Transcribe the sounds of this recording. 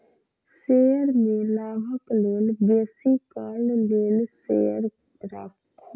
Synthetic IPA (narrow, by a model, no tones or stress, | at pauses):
seːjəɾmelaːɦəkloːnbeːsikaːlleːnsḛːəɾ | ɾa̰ːkʰ